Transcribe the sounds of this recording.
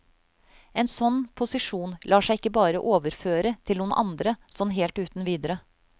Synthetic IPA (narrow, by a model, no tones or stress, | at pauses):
eːnsɔnpʰʊsɪʂuːnlʔɑːʂæɪɪkːəbɑːɾəʔoːʋəɾføːɾət̪ʰɪlʊːnʔɑ̰nd̪ɾəsɔnɦeːlt̪ʉːt̪n̩ʋiːd̪əɾə